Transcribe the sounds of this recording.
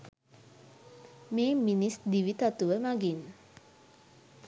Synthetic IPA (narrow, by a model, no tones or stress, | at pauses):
meːminisd̪iʋit̪at̪uʋəmaɡin